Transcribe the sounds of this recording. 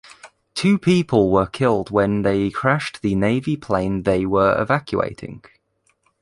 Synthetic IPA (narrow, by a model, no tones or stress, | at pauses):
tʰʉːpʰiˑpʰəlˠwəkʰɪlˠdwə̃nðeɪkʰɹ̥aʃðəneɪvipʰl̥ẽɪ̃nðeɪwəɹɪ̰vakʰjṵḛɪtʰɪ̰̃ŋ